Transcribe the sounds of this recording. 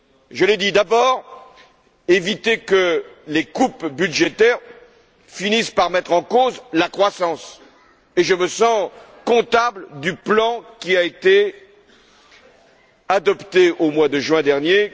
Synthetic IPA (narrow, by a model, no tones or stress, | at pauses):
ʒəled̪id̪abɔʁ | evit̪ekəlekupbyd̪ʒet̪ɛʁ | finispaʁmɛt̪χɑ̃kozlakχwasɑ̃s | eʒəməsɑ̃ | kɔ̃t̪abləd̪yplɑ̃kʲiaet̪e | ad̪ɔpt̪eʔomwad̪əʒɥɛ̃d̪ɛʁnje